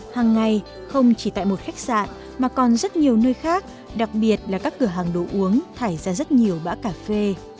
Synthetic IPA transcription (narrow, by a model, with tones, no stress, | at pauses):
haː˨˩ŋːa˨˩j | xə˧wŋ͡mt͡ɕi˧˩t̪a̰ː˧˨jmo˨˩t̚xa˦˥k̚sa̰ː˧˨n | maː˨˩kɔ˨˩nzə˦˥t̚ɲi˨˩əwnəː˧jxaː˦˥k̚ | ɗa˨˩k̚ɓi˨˩ət̚laː˨˩kaː˦˥kːɨ˧˩əɦaː˨˩ŋɗo̰˧˨ʔu˨˦əŋt̪ʰaː˧˩jzaː˧zə˦˥t̚ɲi˨˩əwɓa̰ː˧˥kaː˧˩fe˧